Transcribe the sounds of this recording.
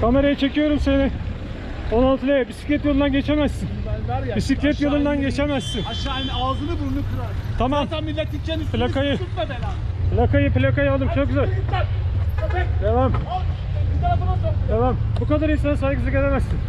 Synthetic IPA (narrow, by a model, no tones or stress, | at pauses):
kʰame̞ɾajit͡ʃʰe̞cʰijo̞ɾumse̞nɪ | onalˠt̪ilʲejabisi̥clʲɛt̪̬jolˠunanɟe̞t͡ʃʰemæzsinbisiclʲɛt̪jolˠɯnd̪anɟe̞t͡ʃʰemæz̥sinʃaanazɯnɯbuɾlˠuk̪uɾat̪ʰamaamilʲːet̪ːit͡ʃenpʰlʲakajɯut̪abela | pʰlʲakajɯplʲakajald̪ɯmt͡ʃʰok̚ɟyzælʲ | d̪evam | t̪afnad̪evambukad̪aɾinsanasajɡɯsɯɡʲelʲemæzsin